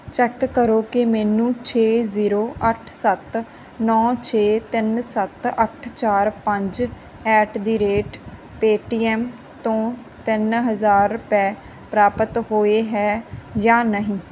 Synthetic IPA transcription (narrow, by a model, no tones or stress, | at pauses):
t͡ʃɛːkːəɾoːkɪmɛːnũːt͡ʃʰeːziːɾoːʔəʈʰsət̪ | nɔ̃ːt͡ʃʰeːt̪ɪnsət̪əʈʰt͡ʃaːɾpəɲd͡ʒ | ɛːʈd̪iːɾeːʈ | peːʈiːɛːm | t̪õː | t̪ɪnɦəzaːɾːʊpɛː | pɾaːpət̪ɦoːeːɦɛːjãːnəɦĩː